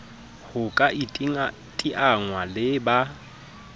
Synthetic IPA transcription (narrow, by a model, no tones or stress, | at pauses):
hʊkʼaʔi | tʼiʔaŋwalɪba